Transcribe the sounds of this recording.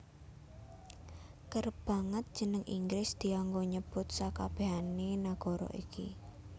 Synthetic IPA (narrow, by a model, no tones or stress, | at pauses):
kərb̥a̤ŋət̪̚d̥ʒ̥ə̤nəŋʔiŋɡɾɪsd̪̥i̤aŋɡoɲəb̥ʊt̪̚sakab̥e̤ɦaninaɡ̥ɔ̤ɾɔ̰ʔḭki